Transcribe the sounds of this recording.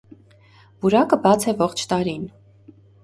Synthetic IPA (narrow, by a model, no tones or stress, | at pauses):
vuɾɑkəbɑt͡sʰɛvɔχt͡ʃʰt̪ɑɾin